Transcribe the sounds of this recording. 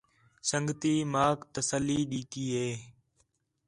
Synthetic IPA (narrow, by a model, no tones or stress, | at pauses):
səŋɡt̪iːmaːkt̪əsəlːiːɗiːk̪iːɦeː